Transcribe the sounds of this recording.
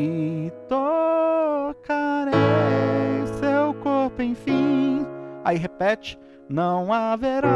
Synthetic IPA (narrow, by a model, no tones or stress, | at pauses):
t̪o | kaɾe | sewkoɾpʊẽj̃fĩ | a̰iɦepɛt͡ʃɪ̥ | nɐ̃w̃aveɾa